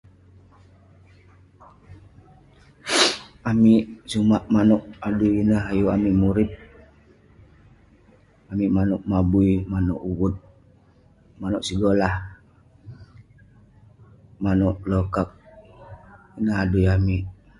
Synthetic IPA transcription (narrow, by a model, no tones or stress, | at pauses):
amiʔsumaʔmanɔʔadujinəɦajuamiʔmuɾip̚ | amiʔmanɔʔmabuimanɔ̰ʔuwut̪̚ | manɔʔsiɡolah | manɔʔlɔkak̚ | inahadujamiʔ